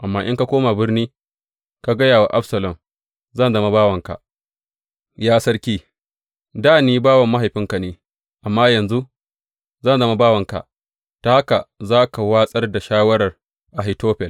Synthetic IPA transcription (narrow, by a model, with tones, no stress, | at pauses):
ʔa˨mːaː˦ʔɪ˦ŋka˦kʷoː˦ma˨bɪ˦rniː˦ | ka˨ɡɐ˦jaː˨wa˨ʔa˦ɸsɐ˨lɐ˨m | zɐ˦˨nzɐ˦ma˦baː˦wɐ˨ŋka̰˨ʔ | jaː˦sɐ˦rkʲiː˦ | daː˦˨niː˦baː˦wɐ˨mːa˦ɦa˨jɸɪ˦ŋka˨neː˦ | ʔa˨mːaː˦jɐ˨nzu˦ | zɐ˦nzɐ˦ma˦baː˦wɐ˨ŋka̰˨ | ta˨ha˦ka˨zaː˦ka˨waː˦sʼɐ˦rda˨ʃaː˦wɐ˦ɽɐ˨r | ʔa˨ɦi˨toː˦ɸɛ˨l